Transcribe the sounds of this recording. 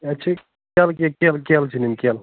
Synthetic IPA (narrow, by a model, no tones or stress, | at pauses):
ɐt͡ʃʰi | kelkekelkelt͡ʃʰinimkel